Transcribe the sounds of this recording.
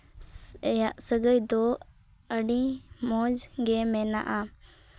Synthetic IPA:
ɛjaʔsəɡəjd̪ɔ | əɖimɔd͡ʒɡɛmɛna̰ʔa

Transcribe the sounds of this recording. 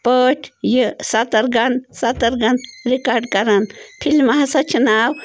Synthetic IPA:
pəːʈʰjisat̪ɐɾɡɐnsat̪ɐɾɡɐnɾikaːɾɖ̚kɐɾɐnpʰilmaɦasɐt͡ʃunaːw

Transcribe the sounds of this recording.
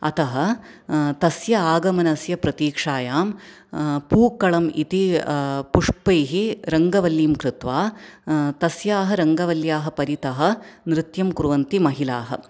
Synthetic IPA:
ɐt̪ɐɦɐ̆t̪ɐsjɐaːɡɐmɐnɐsjɐpɾɐt̪iːkʂaːjaːm | puːkːɐɭɐmit̪ipuʂpɐjɦiɾɐŋɡɐʋɐljiːmkɾɪt̪ʋaː | t̪ɐsjaːɦɐ̆ɾɐŋɡɐʋɐljaːɦɐ̆pɐɾit̪ɐɦɐ̆nɾɪt̪jɐmkuɾuʋɐnt̪imɐɦilaːɦɐ̰̆

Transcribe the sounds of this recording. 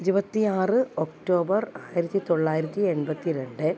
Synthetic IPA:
iɾubɐt̪ːiaːrɨokʈo̞ːbɐraːjiɾɐt̪ːit̪o̞ɭːaːjiɾɐt̪ːie̞nbɐt̪ːiɾe̞ɳɖɨ

